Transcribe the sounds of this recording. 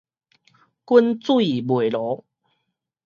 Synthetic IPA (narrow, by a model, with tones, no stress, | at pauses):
ku˦nt͡swi˨bwe˨˩lɔ˨˦